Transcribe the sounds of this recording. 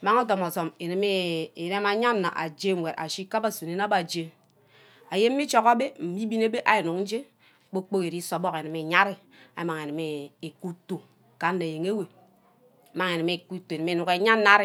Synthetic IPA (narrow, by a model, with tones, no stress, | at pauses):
ma˦ŋo˦to˨mɔ˨so˨me˨ne˨me˦e˨ɾe˦ma˨˦ɲa˦nːa̰˨ʔa̰˨d͡ʒe˦˨we˨ɾʔa̰˨ʃi˦ka˦ba˦su˨ne˦na˦ba˨d͡ʒe˦ | a˨je˦m̩ː˦i˦t͡ʃo˦ka˦be˦m̩˨mi˦bi˦ne˦be˦ʔa˨ji˨nu˨kn̩˦d͡ʒe˦˨ | k͡po˦k͡po˦ke˨ɾi˦so˨bɔ˦ke˨ne˨me˨ɲa˦ɾi˦ | a̰˨˦ma˨ŋe˨ne˨me˨ku˦to˨ | ka˨nː˦e˨je˨ŋe˦we˨ | ma˦ŋe˨ne˨me˨ku˦to˨ne˨m˦e˦nu˨ke˨ɲaː˦a˦ɾi˦